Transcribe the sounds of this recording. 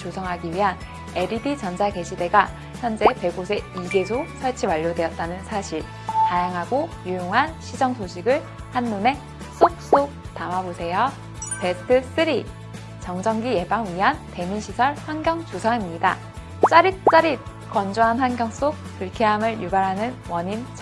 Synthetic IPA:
t͡ɕosʰʌŋɦaɡiɥiɦan | eɾibit͡ɕʌnd͡ʑaɡe̞ɕʰide̞ɡa | çjʌnd͡ʑe̞pe̞ɡosʰe̞iɡe̞d͡ʑosʰʌɭt͡ɕʰiwaʎːodwe̞ʌt̚t͈anɯnsʰaɕʰiɭ | tajaŋɦaɡojujoŋɦanɕʰid͡ʑʌŋsoɕʰiɡɯɭ | hanːune̞ | s͈ok̚s͈ok̚tanwabosʰe̞jʌ | pe̞tʰɯs͈ʰɯɾi | t͡ɕʌŋd͡ʑʌŋɡije̞baŋɥiɦante̞miɕʰisʰʌɭɸwanɡjʌŋt͡ɕusʰaŋimɲida | t͡ɕ͈aɾit̚t͡ɕ͈aɾit̚ | kʌnd͡ʑuɦanɸwanɡjʌŋs͈ok̚puɭkʰeɦamɯɭjubaɾɦanɯnwʌɲint͡ɕ

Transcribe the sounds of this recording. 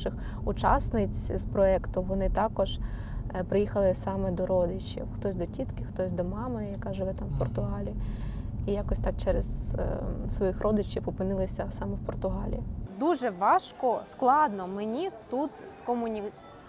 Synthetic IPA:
ʃɪx | ʊt͡ʃɑ̰snɪt͡sʲspɾɔɛkt̪ʊʋɔnɪt̪ɑkɔʒ | pɾɪjixɐlˠɪsɑmɛd̪ɔɾɔd̪ɪt͡ʃḭwxt̪ɔsʲd̪ɔtʲit̪kɪxt̪ɔsʲd̪ɔmɑmɪjɐkɑʒɪʋɛt̪ɑmwpɔrt̪ʊɦɑlʲi | ijɑkɔsʲt̪ɑk̚t͡ʃɛɾez | sʋɔjixrʔɔd̪ɪt͡ʃʲiwɔpɪnɪlˠɪsʲɐsɑmɛwpɔrt̪ʊɦɑlʲḭd̪uʒɛʋɑʃkɔsklˠɑd̪nɔmenʲit̪ut̪skɔmʊnʲi

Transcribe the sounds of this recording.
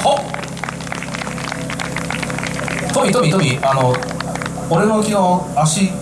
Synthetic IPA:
ho | t̪obʲit̪obʲit̪obʲiano | oɾe̞nokʲiɡaaɕi

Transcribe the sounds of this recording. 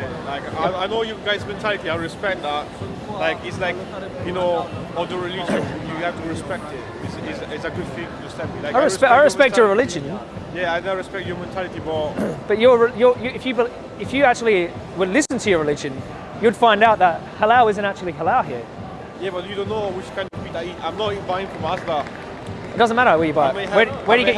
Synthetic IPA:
ɛlaɪkaɪaɪnoʊjɨɡaɪzmɛ̃ntʰælˠɨtiaɪɹɨspɛk̚t̪̚ðæt̚ | laɪkɪtslaɪk | jɨnoʊəðəɹɨlɪd͡ʒɨ̃njɨhæftʰəɹɨspɛk̚tɪt̚ | ɪzɪzɪzəɡʊd̥filɪ̃ŋfə̃əsɛmɹilaɪkaɪɹɨspɛaɪɹɨspɛk̚t͡ʃt͡ʃə˞ɹɨlɪd͡ʒɨ̃n | jæaɪðaɪɹɨspɛk̚t͡ʃə˞mɛ̃ntʰælˠɨtibʌtb̥ʌt͡ʃə˞ɹɪjə˞jɨːfjɨbə | ɪfjɨæk̚t͡ʃul̩ˠi | wədˡlɪsɨ̃ntʰɨjə˞ɹɨlɪd͡ʒɨ̃n | jɨd̥fãɪ̃ndaʊt̪̚ðət̚həlaʊɪzɨ̃ntæk̚t͡ʃul̩ˠiɦəlaʊɦiɹ | jæbʌtjɨdõʊ̃nːoʊwɪt͡ʃkʰãɪ̃ndʌv̥piaiãɪ̃mnətɪ̃nvaɪɪ̃ŋfɹə̃mazðə | ɪt̚d̥ʌzn̩mæɾə˞wəjɨbaɪeɪwəwə˞ɾɨjɨɡɛt͡ʃ

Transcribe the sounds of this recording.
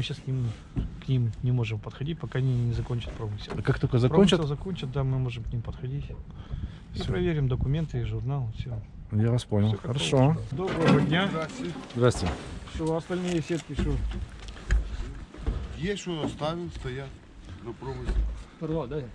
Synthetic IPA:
mɨɕasknʲim | knʲimnʲɪmo̞ʐɨmpət̪xɐdʲitʲpɐkanʲinʲɪzɐkonʲt͡ɕɪ̥t̪̚pɾomɨsʲɪɐkakt̪okəzɐpɾont͡ɕəzɐko̞nʲt͡ɕət̪̚d̪amɨmo̞ʐɨmknʲimpəd̪xɐdʲitʲ | fsʲpɾɐvʲeɾʲɪmd̪əkʊmʲe̞nt̪ɨiʐʊrnalˠfsʲo | javɐsponʲəlsoxkɐkəɾɐʂod̪obɾəvəd̪ʲnʲaɪzd̪ɾasʲtʲɪfsʲɪvoɐst̪ɐlʲnɨjəsʲet̪̚kʲɪʃo | jaʃoɐst̪avʲɪlˠst̪ɐjat̪̚ | nɐpɾomɨsʲlʲ

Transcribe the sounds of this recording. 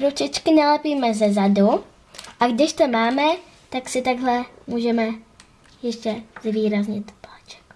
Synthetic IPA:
ɾot͡ʃɪt͡ʃkɪnalɛpiːmɛzɛzadu | ʔaɡdɪʃt̪omaːmɛ | t̪aksɪt̪aɡɦlɛmuːʒɛmɛ | jɛʃcɛzviːɾazɲɪt̪plɛt͡ʃɛ̥k

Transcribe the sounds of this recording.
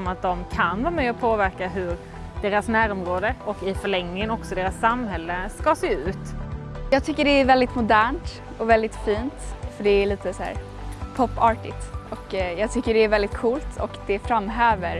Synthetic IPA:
mat̪̚d̪ɔmkʰanvɑːɾamɛɔpʰoːvæɾkaɦɵɾ | d̪̥eːɾasnæːɾɔmɾoːd̪əɔkɪfœɭɛŋnɪŋənɔksɔd̪eːɾasːamɦɛlːəskɑseːʉ̟ːt̪ | jɑːɡ̚t̪ʰʏkːəɖɛæɾvɛld̪ɪt̪mʊd̪æːɳʈ | ɔvɛld̪ɪt̪fiːnt̪fœɖɛæɭiːt̪əsæ̰ːɾ | pʰɔpːɑɾʈɪt̪ɔkjɑːɡt̪ʰʏkːəɖɛæɾvɛld̪ɪt̪kʰuːlt̪ʰɔ̰kd̪ɛfɾamːɦøːvəɾ

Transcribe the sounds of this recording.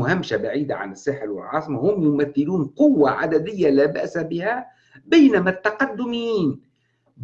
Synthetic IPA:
ʊhamʃabaʕiːd̪a̰ʕa̰nɪsːaːħɪɾwɪ̰lʕɑːsˤɨmahʊmjʊmæθːɪluːnqʊwːaʕa̰d̪ad̪ɪjːalæːba̰ʔsabɪhaæ | bajnamæt̪ːɑqɑd̪ːʊmiːn | b

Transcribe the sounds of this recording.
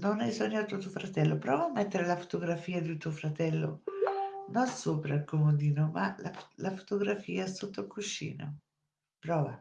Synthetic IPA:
nonajsɔɲːat̪ːuot̪uofɾat̪ɛlːopɾɔːvaamːɛt̪ːeɾelafo̥t̪oɡɾafiːad̪it̪uofɾat̪ɛlːo̰ | nonsoːpɾailkomod̪iːnomalalafo̥t̪oɡɾafiːasot̪ːokuʃːḭːno̰ | pɾɔːva

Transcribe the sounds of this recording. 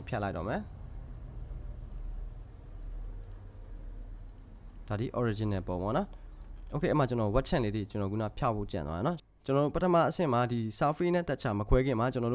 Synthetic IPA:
pʰjaʔlaɪtːɔ̰mɛ | d̥ad̪iʔɔɹid͡ʑɪ̃nɛ̃põmɔ̰nɔʔokḛɛmat͡ɕənɔwɛt̚t͡ɕʰã̰led̪ðḭt͡ɕənɔɡuna̰pʰjapʰo̰t͡ɕã̰nwa̰ɛnɔ | t͡ɕənɔɾo̰pətʰəma̰ʔəsɪ̃madisafinɛ̰̃t̪ɛt̚t͡ɕʰaməkʰwɛɡɪ̃m̥at͡ɕənɔɾo

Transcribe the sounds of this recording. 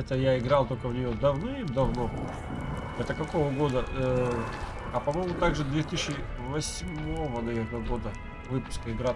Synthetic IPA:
ɛt̪əjaɪɡɾɑlˠt̪o̞lʲkəvnʲɪjod̪ɐvnod̪ɐvno̞ | ɛt̪əkɐko̞vəɡo̞d̪ə | ɐpɐmo̞jmʊt̪aɡʐɨd̪vʲet̪ɨɕːɪ | vɐsʲmo̞vənɐvʲernəɡo̞d̪ə | vɨpʊ̥skəɪɡɾa

